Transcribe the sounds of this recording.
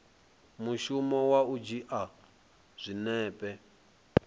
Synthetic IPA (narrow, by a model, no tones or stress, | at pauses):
muʃumɔwaud͡ʒiʔa | z̥ʷinɛːpʼɛ